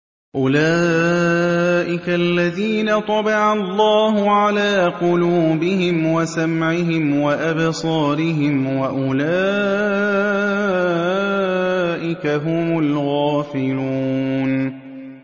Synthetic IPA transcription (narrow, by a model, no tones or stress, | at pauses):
ʔʊlaː | ʔɪkalːaðiːnat̪ˤɑbɪʕɑlˤːɑːɦʊʕalaːqʊluːbɪhɪmwasamʕɪɦɪmwaʔabsˤɑːɾɪɦɪmwaʔʊlaː | ʔɪkaɦʊmʊlɣaːfɪluːn